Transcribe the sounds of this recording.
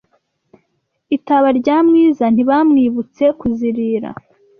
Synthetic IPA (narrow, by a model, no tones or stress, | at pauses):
itaβaɾɟaːmŋiːzan̥iβamŋiːβut͡se̞kuziɾiːɾa̰